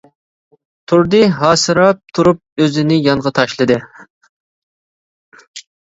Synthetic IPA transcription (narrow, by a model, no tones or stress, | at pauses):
t̪ʰuɾd̪ɨɦɑːsɨɾɑp̚t̪ʰuɾup̚øzɪnɪjɑɴʁɑt̪ʰɑʃlˠɨd̪ɨ